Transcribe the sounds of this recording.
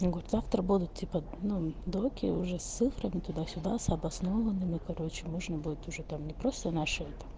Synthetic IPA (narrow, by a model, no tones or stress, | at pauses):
nɡoɾʲt̪zaft̪ɾəbud̪ʊt̪̚tʲipənud̪okʲɪ̰ʊʐɛssɨfɾəmʲt̪ʊd̪asʲʊd̪asɐbɐsnovɐnɨmɨkɐɾot͡ɕɪmoʐnəbud̪ʲɪt̪ʊʐɛt̪amnʲɪpɾost̪ənaʂɨɛt̪ɐm